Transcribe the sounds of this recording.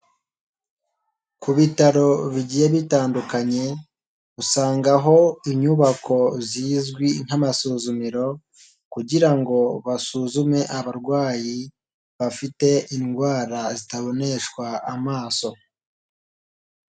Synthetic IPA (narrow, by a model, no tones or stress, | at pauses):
kuβitaɾo̞βiɟijeβitaːndukaɲe̞ | usaːŋɡaɦo̞iɲuβakʰo̞ziːzɡwin̥hamasuːzumiɾo̞ | kuɟiɾaŋɡo̞βasuzume̞ʔaβaɾɡwaːji | βafite̞inɡwaːɾazitaβo̞ne̞ʃkwaːmaːso̞